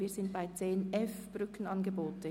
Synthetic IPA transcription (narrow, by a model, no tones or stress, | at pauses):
iːz̥ɪnt̚b̥aɪt͡seːnɛfb̥ɾʏkn̩ɑnɡəboːtə